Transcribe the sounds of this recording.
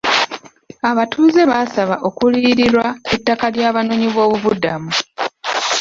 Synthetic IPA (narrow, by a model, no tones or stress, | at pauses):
aβatʰuːze̞βaːsaβaʔo̞kuliːɾiɾwaetːakaljaːβano̞ɲiβo̞ːβuβudamu